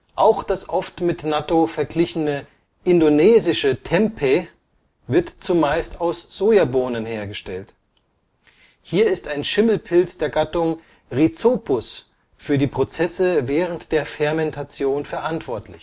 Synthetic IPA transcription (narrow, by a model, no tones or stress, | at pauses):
ʔaʊxd̥asʔɔftmɪtnatofɛɐɡlɪçənə | ʔɪndonɛːzɪʃətʰɛmpʰe | vɪɐtt͡sumaɪstaʊsz̥oːjaboːnənheːɐɡəʃtɛlt | hiːɐɪstaɪnʃɪml̩pʰɪlt͡sd̥eːɐɡatʊŋ | ʁit͡soːpʊs | fyːɐdiːpʁ̥ot͡sɛsəvɛːʁ̞əntd̥eːɐfɛɐmɛntʰat͡sjoːnfɛɐʔantv̥ɔɐtʰlɪ̰ç